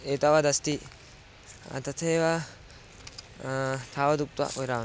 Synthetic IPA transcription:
eːt̪ɐʋad̪ɐst̪i | a̰t̪ɐt̪ʰeʋa | t̪ʰaːʋɐd̪uk̚t̪wa̰ʔoɾaː

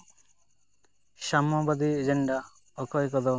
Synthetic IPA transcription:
ʃamɔbad̪ied͡ʒeɳɖa | ɔkɔjkɔd̪ɔ

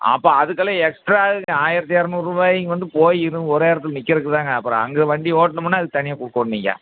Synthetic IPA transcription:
ɐ̰pːoːɐðɯkːɐlɐ̃ɛksʈɾaːɯaːjɪɾɐt̪ːɪjaːɾɐnʊɾɯʋaːjŋɡʋɐnd̪ɯpoːjɪɾɯɔɾeːɾɐt̪ːɪlnɪkːɐɾɯkːɯt̪aːŋɡɐːpːɯɾɔ̰̃ɐŋɡɐʋɐɳɖioːʈnɐmɐnːaːɐðɯɯt̪ɐnɪjakʊɽɯkːɐʋɐɳniːŋɡa̰ː

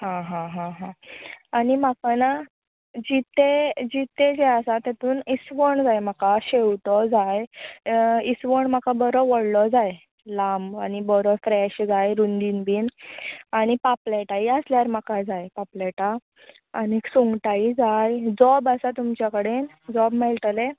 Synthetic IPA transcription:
ɦãɦãɦãɦãaɽim̤akana | d͡ʑit̪ʰed͡ʑit̪ʰed͡ʑeasat̪at̪uːnisʋəɳd͡zajm̤akaɕewʈɔd͡zaj | isʋəɳm̤akabəɾɔʋɔɽlɔd͡zaj | lambañibəɾɔfɾɛɕd͡zajɾund̪inbiːnaɽ̃ipapleʈaiəsljaɾm̤akad͡zajpaplɛʈaː | niksuŋɡʈaid͡zajd͡zɔbəsat̪umt͡ɕjakəɽen | d͡zɔbmɛlʈle

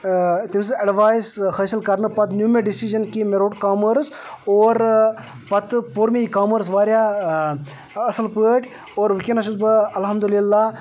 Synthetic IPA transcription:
t̪ims̬ɨɐɖʋaːjsfʰɐːsəlkɐɾnɨpɐt̪njuːmeɖisid͡ʒɐnkimeɾoːʈkaːməɾsoːɾ | pɐt̪poɾmiikaːməɾs̬ʋaːɾjaː | ɐsəlpəːʈʲ | oːɾʋikenɐʃusbɨɐlɦɐmd̪ulilːa

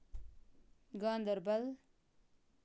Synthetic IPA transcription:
ɡãːnd̪əɾbɐl

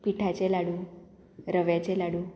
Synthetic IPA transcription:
piʈʰat͡ɕelaɽũ | ɾəʋjat͡ɕelaɽu

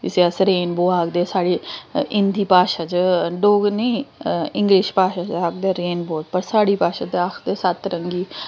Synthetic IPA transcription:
iseasɾeːnboːaːkd̪eːsaːɽiɪnd̪ʱiːpaːʃat͡ʃɖoːɡneɪŋɡɾiːʃpaːʃat͡ʃaːkd̪eɾeːnboːt̪pɐɾsaːɽiːpaːʃat̪eaːkʰd̪esat̪ɾɐŋɡiː

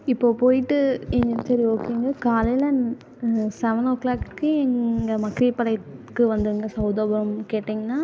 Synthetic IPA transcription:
ɪpːoːpoːjɪʈːɯɛɲɐsɐɾioːkːeːŋɡɐkaːlɐlɐn | sɛʋɐnoːklaːkkːɯɛŋɡɐmɐkːɾipːɐlɐɪkːɯʋɐnd̪ɯɾɯŋɡɐsɐʊd̪oːbɐmkeːʈːiːŋɡɐnːaː

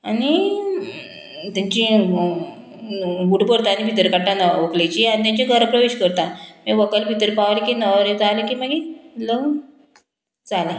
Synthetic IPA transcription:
ani | t̪jaɲt͡ɕĩ | buʈpəɾt̪anibʱit̪əɾkaʈːanaʋəklejt͡ɕianit̪jãɲt͡ɕeɡʱəɾpɾəʋeɕkəɾt̪ameʋəkəlbʱit̪əɾpaʋlekinəʋɾet͡salekiːməɡilo | t͡sale

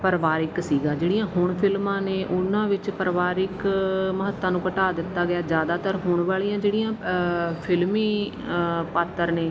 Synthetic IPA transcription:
pəɾʋaːɾɪksiːɡãːd͡ʒeːɽɪjãːɦʊɳpʰɪlmãːneːʔʊnãːʋɪt͡ʃpəɾʋaːɾɪkməɦət̪ːãːnũːkəʈaːd̪ɪt̪ːaːɡɪjaːd͡ʒjaːd̪aːt̪əɾɦʊɳʋaːɭijãːd͡ʒeːɽijãːpʰɪlmiː | paːt̪ːəɾneː

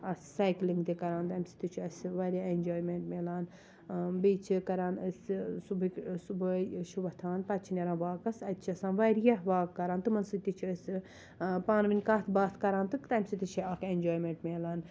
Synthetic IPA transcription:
ɐssaːjkliŋɡt̪ekɐɾaːnt̪ɐmʲsi̥t̪it͡ʃʰuɐsʋɐɾʲaenʲd͡ʒoːjmeɳʈmeːlaːn | biːt͡ʃʰikɐɾaːnɐssubɨksubɐjʃʰuʋɐt̪ʰaːnpɐt͡ʃʰinʲeɾaːnʋaːkɐsɐt̪t͡ʃʰɐsãːnʋɐɾjɐɦʋaːɡkːɐɾaːnt̪ɨmɐnsɨt̪it͡ʃʰuɐsʲɨ | paːnʋinʲkat̪ʰbaːt̪ʰkɐɾaːnt̪ɨkt̪ɐmʲsit̪it͡ʃʰiɐkʰenʲd͡ʒoːjmeɳʈmeːlaːn

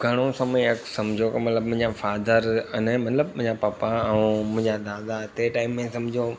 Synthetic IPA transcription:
ɡʱɐɽ̃osɐməjɐksɐ̃md͡ʑʱokɐmɐt̪ləbmʊ̃ɪ̃ɲd͡ʑafaːd̪əɾɐnemɐt̪ləbʊ̃ɪ̃ɲd͡ʑapapaɛ̃mʊ̃ɪ̃ɲd͡ʑad̪aːd̪at̪eʈaːɪmːẽsɐ̃md͡ʑʱo

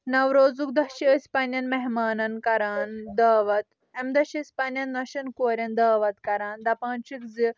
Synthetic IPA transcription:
nɐwɾoːd͡zuk̚d̪ɐʃiəspɐːnjɐnmɛɦmaːnɐnkɐɾaːnd̪ɐːʋɐt̪̚ | emd̪ɐʃispaːnjɐnːɐʃɐnkoːɾʲjɐnd̪ɐːʋɐt̪kɐɾaːnd̪ɐpãːnt͡ʃikd͡zi

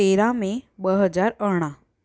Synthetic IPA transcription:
eɾãmẽbəɦəd͡zaɾəɽ̃ã

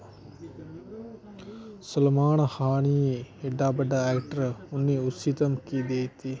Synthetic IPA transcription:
sɐlmaːɳɐhaːɳijeeɖaːbɐɖaɛkʈəɾunːiusit̪ɐmkid̪ejt̪i

